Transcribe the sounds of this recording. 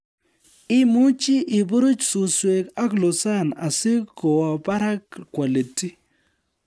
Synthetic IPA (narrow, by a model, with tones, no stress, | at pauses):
ɪ˦mu˦t͡ʃɪ˦ʔɪ˨bo˦ɾu˦t͡ʃsu˨swe˨ka˦klo˨sa˦˨na˨sɪ˦ko˨wɔ˨ba˦ɾa˦kkwa˨li˨ti˦